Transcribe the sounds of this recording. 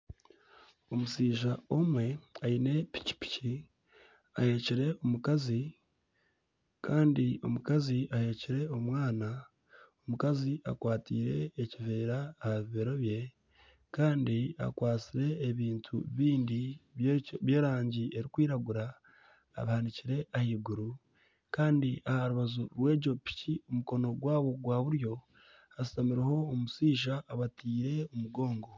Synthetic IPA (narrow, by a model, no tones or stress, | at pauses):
o̞musiːʒao̞mwe̞aine̞pi̥ci̥pi̥ci | a̰he̞ːciɾe̞omukazi | kaːndio̞̰mukaziahe̞ːciɾe̞o̞mwaːna | omukaziʔa̰kwaːtḭːɾe̞ːciveːɾaːhaβiβeɾo̞βje̞ | kaːndia̰kwaːt͡siɾe̞ːβiːntʰṵβiːndi | βjeːɾaːɲɟie̞ɾikwiːɾaɡuɾa̰ː | βahaniciɾe̞ʔahiːɡuɾu | kaːndiahaɾuβazoɾwe̞ːɟo̞pi̥ciomuko̞no̞ɡwaːβo̞ɡwaːβuɾjo̞ | asi̥tamiɾeho̞ːmusiːʃaʔːβatiːɾe̞omuɡo̞ːŋɡo̞